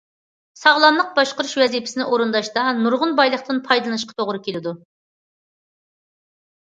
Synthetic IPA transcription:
sɑʁlˠɑmlˠəq̚bɑʃqəɾuʃwɛzipʰɪ̥sɪnɪʔoɾɨnd̪ɑʃt̪ɑnuɾʁʊnbɑjlˠəχt̪ɨnpʰɑjd̪ɨlˠɨnɨʃ̬qʰɑ̥t̪ʰoʁɾɨkʲelɪd̪u

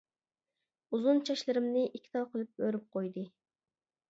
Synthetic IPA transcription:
uzunt͡ʃʰɑʃlˠɨɾɨmnɪʔikʲʰːi̥t̪ʰɑwqʰəlˠɨp̚bøɾyp̚qʰojd̪ɨ

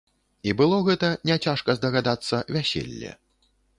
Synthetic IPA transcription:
ibɨlˠɔɣɛt̪ɐnʲɛt͡sʲaʂkɐzd̪ɐɣad̪at̪sːɐvʲasʲḛlʲːɛ̰

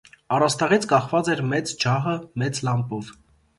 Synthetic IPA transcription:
ɑrɑst̪ɑʁit͡sʰkɑχvɑt͡sɛɾmɛt͡sd͡ʒɑɦəmɛt͡slɑmpɔv

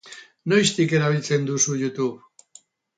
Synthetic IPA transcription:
nojst̪ike̞ɾaβ̞ilt͡se̞nd̪usujut̪uβ

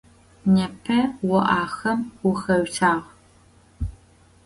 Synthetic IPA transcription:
nɐpʰɐwɔʔaːxɐmwʊxɐɥɬaːʁ

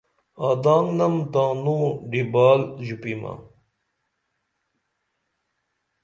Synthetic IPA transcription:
aːd̪aːŋnɐmt̪aːnuɖibaːlʑupima̰

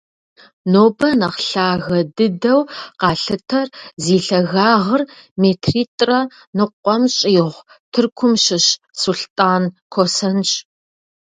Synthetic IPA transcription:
noːbɐnɐqɬaːɣɐdɨdɐwqɑːɬɨtʰɐrziːɬɐɣaːʁərmeːtʰriːtʼrɐ | nɨqʷːɔmɕʼiːʁʷ | tʰɨrkʷʰʊmʃɪɕ | suɬtʼaːnkʷʰosɐnɕʼ

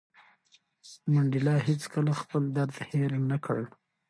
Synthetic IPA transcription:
maɳɖɪlɑɦet͡skəlaxpəld̪aɾd̪heɾɪŋɡnakʰəɽ

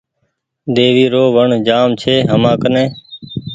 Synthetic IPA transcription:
d̪eːʋiːɾoːʋəɳd͡ʒaːmt͡ʃʰeːɦəmãːkənẽː

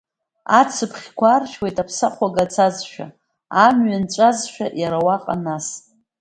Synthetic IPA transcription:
a̰t͡sʰɨpʰχʲkʷʰarʃwejtʼapʰsaχʷaɡat͡sʰazʃᶣa̰ | amɥant͡ʃʷʼazʃᶣa̰ʔjaɾawaqʼa̰nas

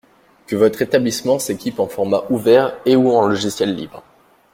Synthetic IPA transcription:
kəvɔt̪χet̪ablismɑ̃sekʲipɑ̃fɔʁmaʔuvɛʁeuɑ̃lɔʒisjɛlːḭbʁ

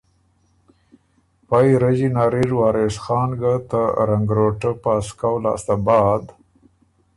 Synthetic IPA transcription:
pajɾad͡ʒinaːɾiɾwɑːɾesxɑːnɡat̪aɾaŋɡɾoʈəpɑskawlɑ̰ːst̪abɑːd̪

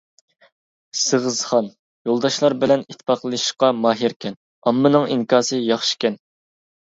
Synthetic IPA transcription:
səʁəzχɑn | jolˠd̪ɑʃlˠɑɾbɪlɛnit̪ʰːɪ̥pɑqlˠʃqɑmɑːɦiɾkʲʰɛn | ɑmːɨnɨŋiŋkʰɑːsɨjɑχʃi̥kʲɛn

